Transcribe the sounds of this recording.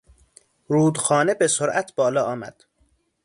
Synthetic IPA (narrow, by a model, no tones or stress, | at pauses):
ɾuːd̪xɒːnebesoɾʔæt̪ʰb̥ɒːlɒːɒːmæ̰d̪̥